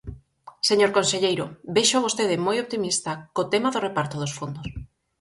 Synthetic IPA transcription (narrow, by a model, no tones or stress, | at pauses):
seɲoɾkonseʎejɾobeʃoaβost̪eðɪmojop̚t̪imist̪akot̪emaðorepaɾt̪oðosfond̪os